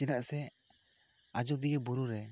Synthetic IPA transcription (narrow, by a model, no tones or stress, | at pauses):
ɛnaʔsɛ | ad͡ʒɔd̪iɡɛbuɾuɾɛ